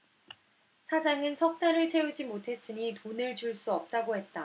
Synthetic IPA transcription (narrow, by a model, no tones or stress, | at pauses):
sʰad͡ʑaŋɯnsʰʌk̚t͈aɾɯɭt͡ɕʰe̞ud͡ʑimotʰe̞s͈ɯɲitonɯɭt͡ɕuɭs͈uʌp̚t͈aɡoɦe̞t̚t͈a